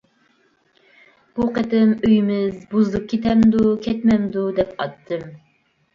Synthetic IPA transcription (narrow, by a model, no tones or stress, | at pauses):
b̥uqət̪ɪmøjimɪzbozɨlˠɨp̚kʲʰet̪ʰɛmd̪ukʲʰɛt̪mɛmd̪ud̪ɛpɑt̪ʰːɨm